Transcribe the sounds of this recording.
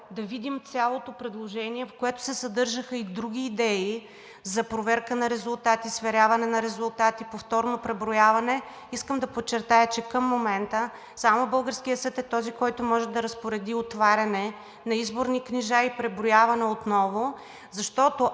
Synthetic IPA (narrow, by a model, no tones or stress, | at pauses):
d̪ɐvid̪imt̪sʲalˠot̪opɾɛd̪lˠoʒɛniɛfkoɛt̪ʊ̥sɛsɐd̪ɤɾʒəxəid̪ɾuɡ̟ʲiːd̪ɛi | zɐpɾovɛɾkənɐɾɛzʊlˠt̪at̪isvɛɾʲavɐnɛnɐɾɛzʊlˠt̪at̪ipoft̪ɔɾnopɾɛbɾʊjavɐnɛ | iskəmd̪ɐpot͡ʃːɛɾt̪ajət͡ʃɛkəmːomɛnt̪ə | samobɤlˠɡəɾskijəsət̪ɛt̪ɔzikɔjt̪ʊmɔʒɛd̪ɐɾɐspoɾɛd̪iot̪vaɾʲɐnɛ | nɐizboɾnikniʒaipɾɛbɾʊjavɐnɛot̪nɔvo | zɐʃt̪ɔt̪o